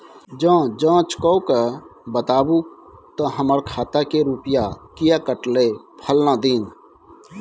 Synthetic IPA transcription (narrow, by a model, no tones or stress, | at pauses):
d͡ʒãːd͡ʒãːt͡ʃkɔwkəbət̪aːbut̪əɦəməɾkʰaːt̪akeɾuːpɪjakɪjakəʈlepʰəlnad̪iːn